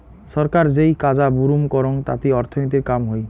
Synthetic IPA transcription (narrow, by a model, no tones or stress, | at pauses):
sɔɾkaɾd͡ʒejkad͡ʒabuɾumkɔɾɔŋt̪a̰t̪iɔɾt̪ʰɔnit̪̬ikkamɦoj